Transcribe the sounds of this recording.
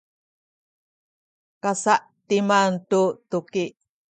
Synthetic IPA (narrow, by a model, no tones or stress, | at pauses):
kasaʔ | timantutuki